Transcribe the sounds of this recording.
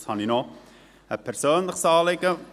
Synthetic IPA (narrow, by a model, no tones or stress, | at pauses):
shɑnino | əpʰɛɾsoːnləχsɑːleɡə